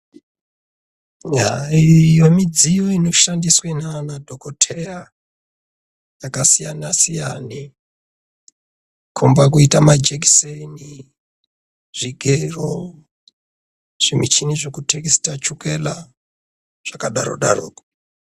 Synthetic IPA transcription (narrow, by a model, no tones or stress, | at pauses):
ɦaijo̞mid͡zijo̞ino̞ʃandiswenanadʱokotʰe̞ra | jakasijanasijani | kʰombak̬uitamad͡ʒek̬i̥seni | ʐ̥iɡʱero | ʐ̥imit͡ʃiniʐokutʰekistat͡ʃuke̞la | ʐ̥akaɗaɾo̰ɗa̰ro̰ːko̥